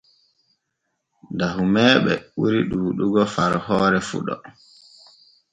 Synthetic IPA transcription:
daɦumɛːɓɛɓuɾiɗuːɗuɡɔfaɾhɔːɾɛfṵɗɔ̰

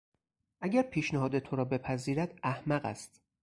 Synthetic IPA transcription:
ʔæɟʲæɾpʰiːʃneɦɒːd̪e̞t̪ʰoɾɒːbe̞pʰæziːɾæd̪̥æhmæɢæ̰st̪

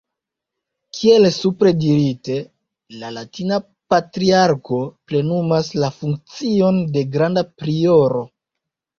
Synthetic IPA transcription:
kʰie̞lsupɾe̞diɾite̞ | lalatina | patɾiaɾko̞ple̞numaslafuŋk̚t͡sio̞nde̞ɡɾandapɾio̞ɾo̞

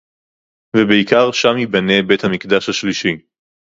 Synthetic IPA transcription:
vebeikaʁʃamibanebe̞t̪hamikd̪aʃhaʃliʃi

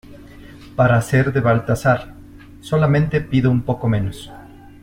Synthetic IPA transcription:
paɾase̞ɾðe̞βalt̪asaɾ | so̞lamẽnt̪e̞piðoumpo̞ko̞mẽ̞no̞s

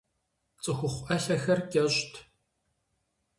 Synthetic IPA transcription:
t͡sʼɨxʷʊχʷʔɐɬɐxɐrkʲʼɛɕtʰ

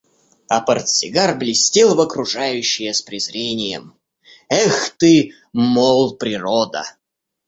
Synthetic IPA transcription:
ɐpərt̪sʲɪɡarblʲɪsʲtʲelˠvəkɾʊʐajʉɕːɪjəspɾʲɪzɾʲenʲɪjə̰m | ɛxt̪ɨ | molˠpɾʲɪrod̪ə̰

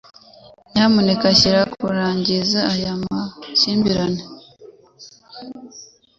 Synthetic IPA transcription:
ɲaːmunekaçiɾakuɾaːɲɟizaːjamasiːmbiɾane

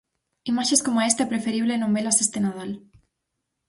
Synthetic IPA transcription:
imaʃeskomaest̪aepɾefeɾiβlenomelasest̪enaðal

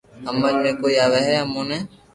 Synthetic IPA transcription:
ɦəməd͡ʒmẽːkoːiːaːʋeːɦɛːəmõːnɛ̃ː

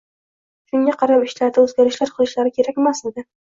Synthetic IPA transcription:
ʃʊŋɡʲaqʰɑɾamɪʃlaɾd̪aɵzɡʲaɾɪʃlaɾqʰɨlˠɪʃlaɾɪkʲʰe̞ɾakʲmased̪ɪ

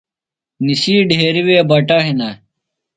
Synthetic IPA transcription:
nisiːɖʱeːɾiwebɐʈɐɦinɐ

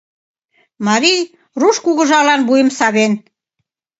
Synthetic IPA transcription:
mɑɾij | ruʃkuɣə̆ʒɑlɑnbujə̆msɑβen

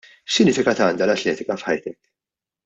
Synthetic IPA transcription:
ʃsɪnɪːfɪkɐt̪ɐːnd̪ɐlɐt̪lɛːt̪ɪkɐfħɐ̰jt̪ɛk

